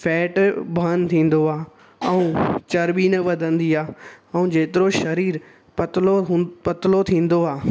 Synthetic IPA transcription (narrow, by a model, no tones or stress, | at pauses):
fʰɛːʈbʱɐnt̪ʰĩːn̆d̪oaː | ɛ̃ũːt͡ɕɐɾɓiːnəʋɐd̪ʱə̃nd̪iaːɛ̃ũd͡ʑeːt̪ɪɾoʃɐɾiːɾ | pɐt̪loɦpɐt̪ɪlot̪ʰĩːn̆d̪oaː